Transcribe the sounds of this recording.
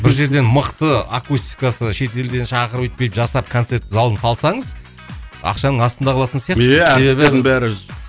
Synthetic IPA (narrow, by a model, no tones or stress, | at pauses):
bɪɾʒe̞ɾd̪e̞nməqt̪əakust̪i̥kasəʃe̞t̪e̞ld̪e̞nʃɑqəɾəpwet̪̚kʲeəpʒɑsɑp̚kʰonse̞ɾt̪ːɪzɑlˠənsɑlˠsɑɴəz | ɑ̰qʃɑnəɴɑst̪ənd̪ɑqʰlˠɑt̪ənsijɑqeæse̞βeβɪed̪ɪnbæɾɪ